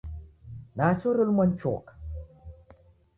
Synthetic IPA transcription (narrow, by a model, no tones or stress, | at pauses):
nat͡ʃoɾəlmənt͡ʃɔ̰k